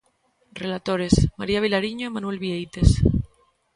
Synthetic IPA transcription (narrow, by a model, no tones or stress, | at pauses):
relat̪oɾe̞smaɾiaβ̞ilaɾiɲomanue̞lβiejt̪e̞s